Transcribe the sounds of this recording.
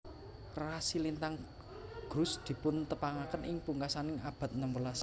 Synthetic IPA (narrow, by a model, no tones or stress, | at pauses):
rasilint̪aŋ | ɡ̥ɾʊsd̪̥i̤pʊnt̪əpaŋakənʔɪŋpuŋkasanɪŋab̥a̤t̪̚nəmwəlas